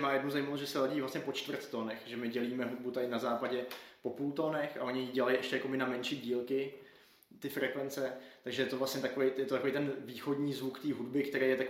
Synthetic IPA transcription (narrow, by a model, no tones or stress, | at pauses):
maːjɛdnuzajmaloʒɛsɛlaɟiːvlasɲɛpo̞t͡ʃt̪vr̩t̪t̪onɛxʒɛmɪɟɛliːmɛɦud̚but̪aɪnazaːpaɟɛpo̞puːlt̪onɛxʔa̰ʔo̞ɲɪjiɟɛlajiʔɛʃcɛjakobɪnamɛnʃiːɟiːlkɪ | t̪ɪfɾɛkvɛnt͡sɛt̪aɡʒɛjɛt̪ovlast̪ɲɛt̪akovɛjjɛt̪ot̪akovejt̪ɛnviːxodɲiːzvukt̪iːɦudbɪkt̪ɛɾejɛt̪ak